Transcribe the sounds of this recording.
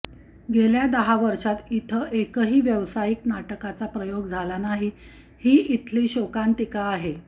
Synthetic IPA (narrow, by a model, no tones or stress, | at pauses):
ɡeljad̪əɦaʋəɾʂat̪it̪ʰəʔekəɦiːʋjəʋsajiknaʈəkat͡sapɾəjoɡd͡zʱalanaɦi | hiːʔit̪ʰliːɕokant̪ikaːɦe